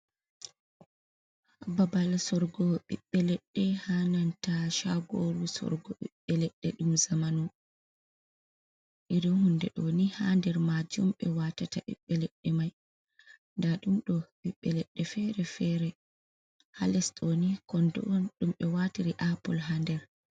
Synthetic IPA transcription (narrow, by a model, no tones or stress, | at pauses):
babalsɔɾɡɔɓḭɓːɛlɛɗːɛhanantaʃaɡoɾusɔ̰ɾɡɔɓḭɓːɛlɛɗːɛɗumzamanu | ʔiɾɔnhundɛɗɔnihandɛɾmad͡ʒumɓɛwatataʔḭɓːɛlɛɗːɛmaj | ndaɗumɗɔɓiɓːɛlɛɗːɛfɛɾɛfɛɾɛ | ha̰lɛsɗɔnikɔndɔnɗumɓɛwatiɾiʔapɔlɦandɛɾ